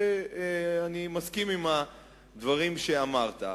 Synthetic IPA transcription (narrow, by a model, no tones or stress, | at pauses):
e | animaskimima | d̪vaʁimʃeamaʁt̪a̰